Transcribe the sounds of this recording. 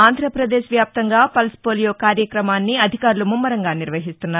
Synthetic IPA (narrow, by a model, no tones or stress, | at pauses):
aːnd̪ʱɾɐpɾɐd̪eːʃʋjaːp̚t̪ɐŋɡaːpɐlspoːlijoːkaːɾjɐkɾɐmaːnːiɐd̪ʱikaːɾulumumːɐɾɐŋɡaːniɾʋɐɦist̪unːaːɾu